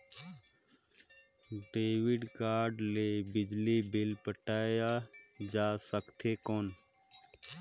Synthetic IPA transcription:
ɖeːʋɪɖkaːɾɖleːbɪd͡ʒlibɪlpəʈaːjad͡ʒaːsəkt̪ʰeːkoːn

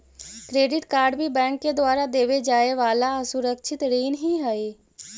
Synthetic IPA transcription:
kɾeːɖɪʈkaːɾɖbʱibɛ̃ːŋkːed̪waːɾad̪eːʋed͡ʒaːeʋaːlaəsʊɾəkʃʰɪt̪ɾiːnɦiɦɛeː

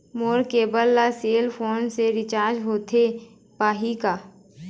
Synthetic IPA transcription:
moːɾkeːbəlːaseːlpʰoːnseɾɪt͡ʃaːɾd͡ʒɦoːt̪ʰe | paːɦikaː

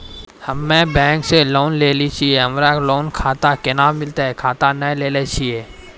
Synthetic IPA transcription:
həmːɛ̃bɛ̃ːŋkseloːnleːlit͡ʃʰieɦəmɾaloːnkʰaːt̪akenaːmɪlt̪aɦɛkʰaːt̪anɛleːlet͡ʃʰieː

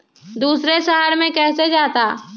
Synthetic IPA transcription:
d̪uːsɾeʃəɦaɾmẽkɛːsed͡ʒaːt̪aː

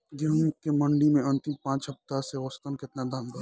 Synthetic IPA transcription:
d͡ʒeɦkemɐ̃ɳɖimẽɐ̃nt̪ɪmpãːt͡ʃɦɐp̚t̪aseost̪ənkɪt̪nad̪aːmɡo

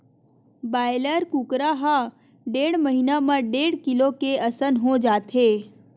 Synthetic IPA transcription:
baːjləɾkukɾaɦa | ɖeːɽməɦinamãɖeːɽkɪlokeəsənɦõd͡ʒaːt̪ʰe

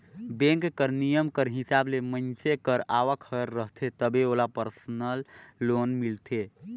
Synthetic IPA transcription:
bẽŋkːəɾnijəmkəɾɦisablemənt͡ʃekəɾaʋəkʰəɾːəɦt̪ʰet̪əbeolapəɾsənəlːonmilt̪ʰe

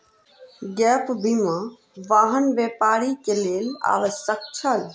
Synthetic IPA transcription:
ɡɛːpbimã | ʋaːɦənʋeːpaːɾikeleːla̰ːʋəʃək̚t͡ʃʰɐl

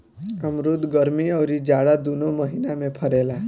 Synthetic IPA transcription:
əmɾud̪ɡəɾmiəwɾid͡ʒaɽad̪unoməɦinamẽpʰəɾela

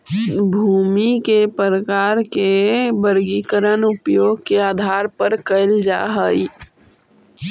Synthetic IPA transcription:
bʱuːmikepəɾəkaːɾkebəɾɡikəɾənʊpjoːɡ̚keaːd̪ʱaːɾpəɾkəɪld͡ʒa̰ːɦəj

